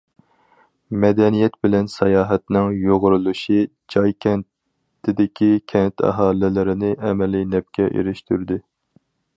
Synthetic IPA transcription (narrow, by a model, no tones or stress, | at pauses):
mɛd̪ɛnijɛt̪bɪlɛnsɑjɑːɦɛt̪nɪŋjoʁʊɾulˠuʃi | d͡ʒɑjkʲʰɛn | t̪ʰɪd̪ɪkʲikʲʰɛnt̪ʰɛ̰ɦɑːlɪlɪɾɪnɪʔɛmɛlɪnɛp̚kʲʰɛʔḛɾɪʃt̪ʰyɾd̪ɪ